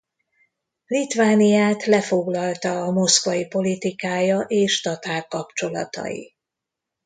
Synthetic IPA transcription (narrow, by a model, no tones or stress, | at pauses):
lit̪vaːnijaːt̪lɛfo̞ɡlɒlt̪ɒːmo̞skvɒjipo̞lit̪ikaːjɒʔeːʃt̪ɒt̪aːrkɒpt͡ʃo̞lɒ̰t̪ɒ̰jḭ